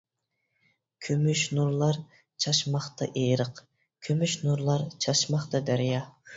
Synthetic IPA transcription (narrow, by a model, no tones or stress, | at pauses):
kʲʰømyʃnuɾlˠɑɾ | t͡ʃʰɑʃmɑχt̪ʰɑ̰ʔejɾəq | kʲʰømyʃnuɾlˠɑɾt͡ʃʰɑʃmɑχt̪ɑd̪æɾijɑ